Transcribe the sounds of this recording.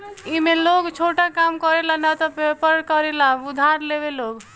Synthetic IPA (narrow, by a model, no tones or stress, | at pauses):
imeloɡt͡ʃʰoʈakamkɔɾelanat̪ɔpepəɾɽkɔɾelaud̪ʱaɾleβeloɡ